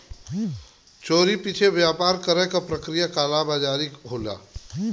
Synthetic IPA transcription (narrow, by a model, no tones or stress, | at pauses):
t͡ʃoːɾipit͡ʃʰebjaːpaːɾkəɾɛkapɾəkɾijakaːlabad͡ʒaːɾikɦoːla̰ː